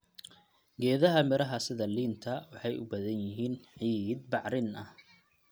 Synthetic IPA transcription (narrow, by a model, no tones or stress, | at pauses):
ɡɛːðɐɦɐmɪɾɐɦɐsɪðɐliːnt̪ʰɐwɑħɑjʔʊ̰bɐðɐnjɪɦiːnħiːd̪̚bɑʕɾɪnɐh